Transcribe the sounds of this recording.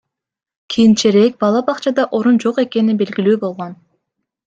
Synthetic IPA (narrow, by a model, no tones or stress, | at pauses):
kʲʰijnt͡ʃeɾe̞k̚bɑlˠɑbɑqt͡ʃɑd̪ɑʔo̞ɾund͡ʒo̞qe̞ke̞ninbe̞lɡilyːbo̞lˠʁo̞n